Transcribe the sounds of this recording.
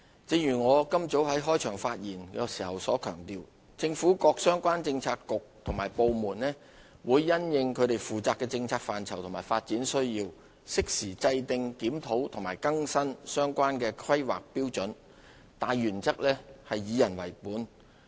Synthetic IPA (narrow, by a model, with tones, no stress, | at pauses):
t͡si˨˧˥jyː˨˩ŋɔː˨˧kɐ˥mt͡so˨˥wɦɐ˨˥jɦɔː˥jt͡ʃʰœː˨˩ŋfaː˧t̚jiː˨˩nkɛː˧si̥ː˨˩hɐ˨wsɔː˨˥kʰœː˨˩ŋt̪iː˨˧w | t͡sɪ˧ŋfuː˨˥kɔː˧k̚sœː˥ŋkʷaː˥nt͡sɪ˧ŋt͡sʰaː˧tkʊ˨k̚t̪ʰʊ˨˩ŋmaː˨˩jpo˨˧wmuː˨˩nlɛː˥ | wuː˨˧jːɐ˥njɪ˧ŋkʰɵ˨˧ɥt̪e˨jfuː˨˩t͡saː˧kːɛː˧t͡sɪ˧ŋt͡sʰaː˧k̚faː˨nt͡sʰɐ˨˩wt̪ʰʊ˨˩maː˨˩faː˧t̚t͡siː˨˥nsɵ˥ɥjiː˧w | sɪ˥k̚siː˨˩t͡sɐ˧jt̪ɪ˧ŋkiː˨˥mt̪ʰo˨˥wt̪ʰʊ˨˩ŋmaː˨˩jkɐ˥ŋsɐ˥nsœː˥ŋkʷaː˥nkɛː˧kʰwɐ˥jwa̰ː˨k̚piː˥wt͡ʃɵ˨˥n | t̪aː˨jɥyː˨˩nt͡sɐ˥k̚lɛː˥hɐ˨jːiː˨˧jɐ˨˩nwɐ̰˨˩jpuː˨˥n